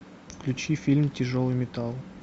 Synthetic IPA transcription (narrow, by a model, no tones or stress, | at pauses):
fklʲʉt͡ɕifʲilʲmtʲɪʐolˠɨjmʲɪt̪alˠ